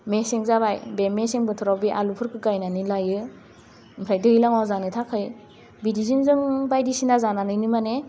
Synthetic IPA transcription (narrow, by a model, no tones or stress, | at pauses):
mesiŋzabajbemesiŋbɯtʰɯɾawbiʔa̰lupʰɯɾkʰɯkajnanilajɯ | mpʰɾajdɯilaŋwawzanɯtʰakʰɯj | bidizinzɯŋbajdisinazananɯjnɯmane